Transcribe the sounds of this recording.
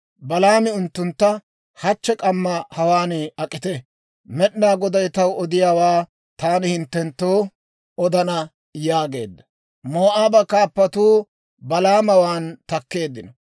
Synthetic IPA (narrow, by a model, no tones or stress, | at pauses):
bɐlaːmɪʊnt̪ːʊnt̪ːɐ | hɐt͡ʃːɛkʼɐmːɐhɐwaːnɪɐkʼːɪt̪ɛ | mɛɗnaːɡɔd̪ɐjt̪ɐwɔd̪ɪjaːwaː | t̪aːnɪhɪnt̪ːɛnt̪ːoː | ɔd̪ɐnɐ | jaːɡe̞̰ːd̪ːɐ̥ | moːʔaːbɐkaːpːɐt̪uː | bɐlaːmɐwaːnt̪ɐkːe̞ːd̪ːɪnɔ